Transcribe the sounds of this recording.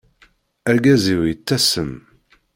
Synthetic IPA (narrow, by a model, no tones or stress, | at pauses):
æɾɡæziwjət͡sːæsəm